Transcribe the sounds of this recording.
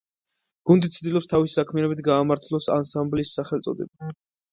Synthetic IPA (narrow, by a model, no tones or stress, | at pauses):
ɡ̥und̪it̪sʰd̪ilˠɔpst̪ʰavisi̥sakʰmianɛbit̪ʰɡaːmaɾt̪ʰlˠɔsa̰nsambliːsːaχɛlt̪sʼɔ̰d̪ɛba